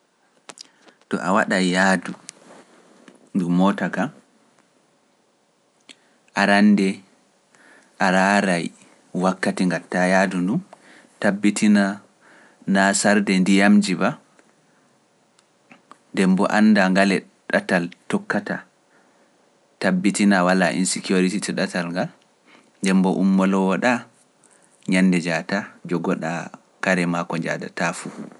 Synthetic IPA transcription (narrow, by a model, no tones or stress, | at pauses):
tɔ̰ʔa̰waɗajjaːdu | ndumɔtaka | ʔaɾandɛ | ʔaɾaɾaj | wakːatiŋɡatːajaːdundun | tabːitʰina | nasaɾdɛndijamd͡ʒiba | ndɛmbɔ̰ʔanːdaŋɡalɛ | ɗataltɔkːata | tabːitinawalaʔḭnsikioɾititɛɗatalŋɡal | ndɛmbɔʔumːɔlɔwɔɗa | ɲanːdɛd͡ʒatad͡ʒɔɡɔɗa̰ | kaɾɛmakɔɲd͡ʒa̰da̰tafu